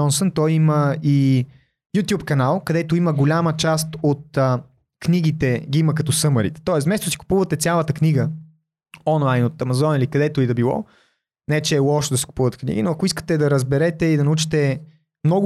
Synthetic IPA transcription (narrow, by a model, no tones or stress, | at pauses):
ɔnsənt̪ɔjiməi | jut̪ʲjupkɐnalˠkɐd̪ɛt̪oiməɡolʲamət͡ʃast̪ot̪̚ə | kniɡ̟it̪ɛɡiiməkɐt̪ɔsɤməɾḭt̪ɛ̥t̪ɔɛsmɛst̪osi̥kʊ̥puvət̪ɛsʲjalˠət̪əkniɡə | ɔnlˠajnot̪ɐmɐzɔnilikɐd̪ɛt̪oid̪ɐbilˠɔ̰ | nɛɛt͡ʃɛːlˠɔʃd̪ɐsi̥ku̥puvət̪ɛ̥knḭɡʲinoɐkʊiskə̥t̪ɛd̪ɐɾəzbɛɾɛt̪ɛid̪ɐnɐut͡ʃi̥t̪ɛ | mnɔɡʊ